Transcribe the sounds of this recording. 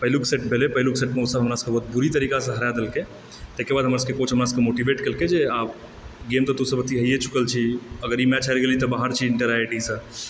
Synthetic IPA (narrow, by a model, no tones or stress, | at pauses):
pəɦlukseʈ̚bʱelepəɦɪlukseʈmeusəbɦəmɾasə̥̃kebɔɦut̪̚buɾit̪əɾikasə̃ɦəɾad̪elke | t̪əɦkebad̪ʱɦəmɾasəkekot͡ʃʰɦəmɾasə̃kemoʈiʋeʈkelked͡ʒeab | ɡemt̪ɔt̪usəbət̪iɦəjet͡ʃʰu̥kəlt͡ʃʰiəɡəɾimɛt͡ʃʰalɡelit̪ɔbaɦəɾt͡ʃʰiɪ̃ɳʈəɾaiʈisə̃